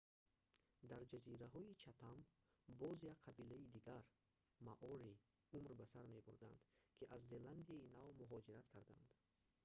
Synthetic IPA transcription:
d̪aɾd͡ʒaziɾaɦɔit͡ʃʰat̪ʰambɔzjaqʰabilaid̪iɡaɾ | maʔɔɾi | umɾbasaɾme̞buɾd̪and̪̥kʰiʔazːeland̪iainavmuɦɔd͡ʒiɾat̪kʰaɾd̪and̪

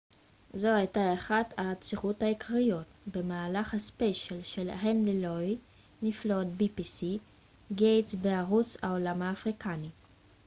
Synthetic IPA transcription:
zo̞ajtaeχadat͡siχuthaikʰʁijotbe̞maːlaχhaspeʃalʃelɦenliloj | niflotbipisi | ɡejtsveaʁut͡sa̰olamhaːfʁikʰani

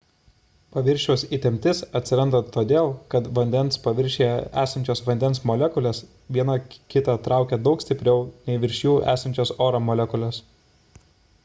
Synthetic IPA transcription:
pɐʋʲɪɾʲʃʲuʊsit̪ʲɛmʲt̪ʲɪsɐt̪ʲsʲɪɾɐnd̪ot̪oːd̪ʲeːlˠkɐt̪ʋɐnʲd̪ʲɛnspɐʋʲɪɾʲʃʲejɛæːsɐnʲt͡ʃʲoːsʋɐnʲd̪ʲɛnsmolʲɛkʊlʲeːs | ʋʲiɛnɐkʲɪt̪ɑˑt̪ɾɑˑʊkʲɛd̪ɒʊkst̪ʲɪpʲɾʲɛʊnʲɛɪʋʲɪɾʲʃʲjuːæ̰ːsɐnʲt͡ʃʲoːsoːɾomoːlʲɛkʊlʲoːs

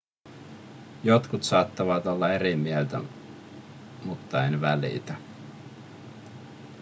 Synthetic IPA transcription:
jo̞t̪kut̪sɑːt̪ːɑʋɑt̪o̞lːɑe̞ɾimielt̪æ̰ | mut̪ːɑenʋælḭt̪æ

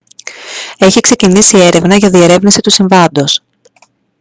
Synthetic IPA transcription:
e̞çikse̞cinisie̞ɾe̞vnɐʝɐðie̞ɾe̞vnisit̪usiɱvɐnd̪o̞s

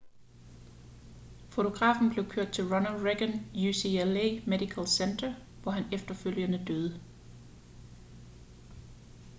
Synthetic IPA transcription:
fo̝t͡sʰo̝ɡ̥ʁɑ̰̈ːfn̩b̥le̝ʊkʰøɐ̰d̥̚t͡sʰe̝lʁɒnəlʁeɡ̥ənjusielemed̥ikʰælsend̥ɐ | ʋɒɦænefd̥ɐføl̰jənəd̥øːð̞ˠə

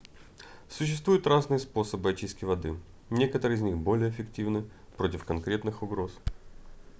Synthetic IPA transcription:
sʊɕ̬ːɪst̪vujʊt̪raznɨjəspo̞səbɨɐt͡ɕiskʲɪvɐd̪ɨ | nʲe̞kət̪əɾɨɪzʲnʲixbo̞lʲɪjəɪfʲɪktʲivnɨ | pɾo̞tʲɪfkɐnkɾʲe̞t̪nɨxʊɡɾo̞s

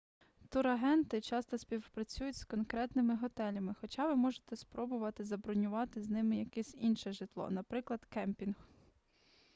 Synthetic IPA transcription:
t̪ʊɾɐɦɛnt̪ɪt͡ʃɑst̪ɔspʲiwpɾɐt͡sʲujʊtʲskɔnkɾɛt̪nɪmɪɦɔt̪ɛlʲɐmɪxɔt͡ʃɑʋɪmɔʒet̪ɛspɾɔbʊʋɐt̪ɪzɐbɾɔnʲʊʋɑt̪ɪznɪmɪjɐkɛsʲinʃɛʒɪt̪lˠɔ̰nɐpɾɪklˠɐd̪̥kɛmpʲinx

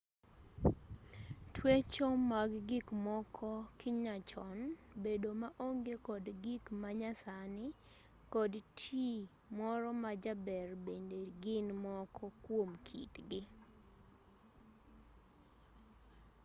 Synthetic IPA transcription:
twet͡ʃomaɡɡɪkmɔkʰɔkɪɲat͡ʃɔnbedomaʔoŋɡekɔdɡɪkmaɲasanɪ | kɔdtʰi | mɔɾɔmad͡ʒabɛrbendeɡɪnmɔkʰɔkwomkʰḭtɡɪ

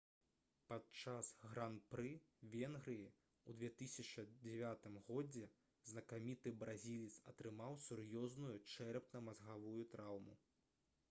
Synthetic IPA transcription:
patt͡ʂasɣɾanpɾɨvʲɛnɣɾɨji | ud̪vʲɛt̪ɨsʲɐt͡ʂɐd͡zʲɛvʲat̪ɨmɣɔd͡zʲɛ | znɐkamʲit̪ɨbɾazʲilʲit̪sɐt̪ɾɨmawsurjɔznujut͡ʂɛɾpnɐmazɣavujut̪ɾawmṵ

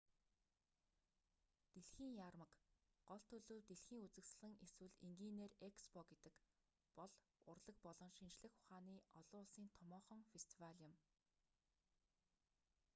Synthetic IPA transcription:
t̪eɮxiːŋjaːrmə̆kɢ̥ɔɮt̪ʰːɵɮoːwt̪eɮxiːŋut͡sɘ̆ksɮɘ̆ŋeswɘ̆ɮiŋɡiːneːrekspɔɡet̪ɘ̆k | pɔɮ | ʊrɮə̆k̚pɔɮɞ̆ŋʃint͡ɕɮɘ̆xʊχaːniːʔɔɮʊːɮsiːnt̪ʰɔmɔːχɞ̆ŋfest̪ʰiwaɮʲə̆m

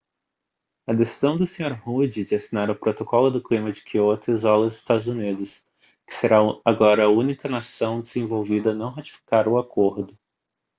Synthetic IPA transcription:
ɐd̪esi̥zɐ̃w̃d̪ʊsẽɲoɾhud͡ʒɪd͡ʒɪasinaɾɐpɾot̪okɔlʊd̪ʊklimɐd͡ʒɪ̥kʰiɪot̪ɐzɔlɐzɪst̪ad̪ʊzunid̪ʊs | kɪ̥seɾaaɡɔɾɐːũnikɐnasɐ̃w̃d͡ʒ̪ezẽvowvid̪ɐnɐ̃w̃ɦat͡ʃi̥fi̥kaɾʊakoɾd̪ʊ

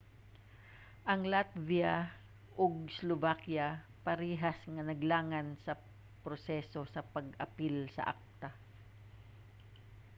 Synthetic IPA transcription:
ʔɐŋlat̪̚via | ʔoɡslovakja | pɐɾiːɦɐsŋɐnɐɡlaːŋansɐ | pɾosɛso̞sɐpɐɡɐpilsɐ̰ʔa̰k̚t̪a

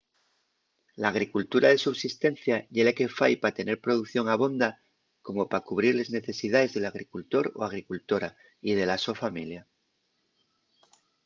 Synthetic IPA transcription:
laːɣ̞ɾikult̪uɾaðe̞suβsist̪e̞nθjaʝelake̞fajpat̪e̞ne̞ɾpɾo̞ð̞uθjo̞ŋaβ̞o̞nd̪a | ko̞mo̞pakuβ̞ɾiɾle̞zne̞θe̞siðaðe̞zðe̞laɣ̞ɾikult̪o̞ɾo̞̰aɣ̞ɾikult̪o̞ɾa | ið̞e̞laso̞familja

